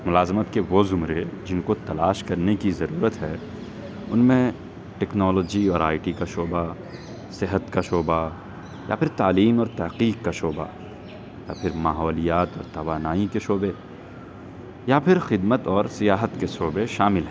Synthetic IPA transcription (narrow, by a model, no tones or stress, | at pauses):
mʊlaːzmət̪keʋozʊmɾed͡ʒɪnkot̪ɐlaːʃkɐɾnekizɐɾuːɾət̪ɦɛː | ʊnmẽ | ʈɛːknɔːlɔːd͡ʒiɔːɾaːɪʈikaʃoːba | sɪɦət̪kaʃoːba | ja̰pʰɪɾt̪aːliːmɔːɾt̪ɐɦqiːqkːaʃoːba̰ | ja̰pʰɪɾmaːɦɔːlijaːt̪ɔːɾt̪ɐʋaːnaːikeʃoːbe | japʰɪɾxɪd̪mət̪ɔːɾsɪjaːɦət̪keʃoːbeʃaːmɪlɦɛː